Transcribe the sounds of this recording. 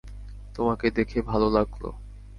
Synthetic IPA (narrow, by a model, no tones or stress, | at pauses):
t̪omaked̪ekʰebʱalolaɡlo̰